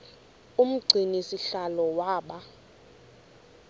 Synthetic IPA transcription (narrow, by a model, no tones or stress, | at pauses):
um̩ɡ͡ǀʱinisiɬalɔwaːɓa